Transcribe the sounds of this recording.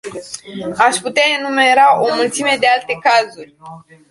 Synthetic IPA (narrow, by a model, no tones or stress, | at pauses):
aʃʲput̪eaenume̞ɾaʔo̞mult̪sime̞d̪ealt̪e̞kazurʲ